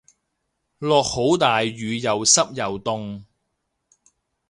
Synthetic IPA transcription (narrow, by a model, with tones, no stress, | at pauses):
lɔː˨k̚ho˨˥wt̪aː˨jɥyː˨˧jɐ˨wsɐ˥p̚jɐ˨wt̪ʊ˧ŋ